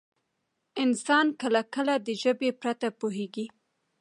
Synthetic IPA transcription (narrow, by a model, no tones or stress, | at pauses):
ɪnsɑnkəlakəlad̪əʒəbepɾat̪apoɦeɡi